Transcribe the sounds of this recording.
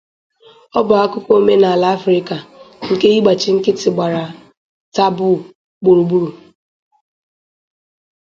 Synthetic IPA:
ɔ˦bʊ˨a˦kʊ˦kʷo˦o˦me˦na˨la˨a˦fɾɪ˦ka˨ŋ̩˨ke˦i˦ɡ͡ba˨t͡ʃɪ˦ŋ̩˦kɪ˦tɪ˨ɡ͡ba˨ɾa˨ | ta˦bu˦˨ | k͡pu˨ɾu˨ɡ͡bu˦ɾu˨

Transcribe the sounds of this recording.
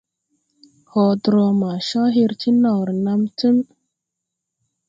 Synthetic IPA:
ho˨dɾo˨ma˨ʃa˦ɦi˦ɾti˦na˦˨ɾna˦mtə˦n

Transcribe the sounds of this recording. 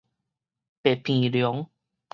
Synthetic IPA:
pe˨˩pʰĩː˧˩ljo˨˦ŋ

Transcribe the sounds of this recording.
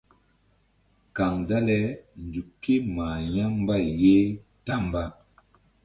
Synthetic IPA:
ka˨ŋda˦lɛ˦nd͡ʒu˨kːe˦maː˨ja˦m˦ba˦˨jːe˦ta˦mba˦

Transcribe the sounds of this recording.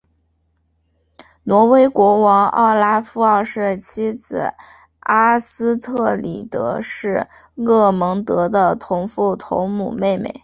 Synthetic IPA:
nwɔ˧˥we˥ɪkwɔ˧˥wɑ˧˥ŋɑ̰˥˩ʊla˥fu˥ɑ˥˧ʊʂɻ̩˥˩t͡ɕʰi˥t͡sɹ̩˨˩ | a˥s̩˥t̪ʰɤ˥˩lḭ˨˩t̪ɤ̰˧˥ʂɻ̩˥˧ | ɤ˥˩mɤ˧˥ŋt̪ɤ˧˥d̪ə˧t̪ʰʊ˧˥ŋfu˥˩t̪ʰʊ˧˥ʊmu˨˩me˥˩ɪmḛ˨˩ɪ

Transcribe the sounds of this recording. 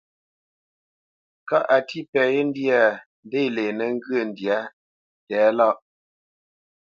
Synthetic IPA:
ka˦ʔa˨tʰi˦pɛ˨je˦n̩˦dja˨ | n˦de˦˨le˨nɛ˨˦ŋ̩˦ɡɰə˦˨n̩˨dja˨˦ | tɛ˨˦la˦ʔ

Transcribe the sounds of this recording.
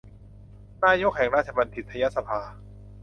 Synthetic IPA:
naː˧˥˨jo˦˥k̚hɛː˨˩ŋɾaː˥˩t̪̚t͡ɕʰa˧ba˧nt̪ʰi˨˩t̪ʰːa˧ja˦˥sa˧pʰaː˧

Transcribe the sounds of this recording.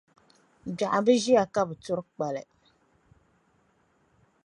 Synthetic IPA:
ba˨ʔa˨bɨ˦ʒi˦a˨ka˦bɨ˨tʊ˦ɾk͡pa˨lɨ̰˨

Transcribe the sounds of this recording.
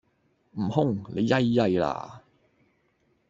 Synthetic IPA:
m̩˨˩hʊ˥ŋle˨˧jjɐ˥jːɐ˧jla̰ː˧˩

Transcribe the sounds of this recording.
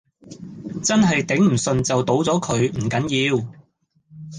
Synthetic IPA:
t͡sɐ˥nɦɐ˨jt̪ɪ˨˥ŋm̩˨˩sɵ˨nt͡sɐ˨wt̪o˨˥wt͡sɔː˨˥kʰɵ˨˧ɥm̩˨˩kɐ˨˥njiː˧w

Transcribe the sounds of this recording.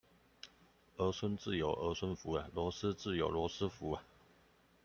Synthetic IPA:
ə˧˥swə˥nt͡sɹ̩˥˩jo˨˩ʊʔə˧˥swə˥nfu˧˥a˨˩lwɔ˧˥sɹ̩˥t͡sɹ̩˥˨jo˨˩ʊlwɔ˧˥sɹ̩˥fu˧˥a˨˩

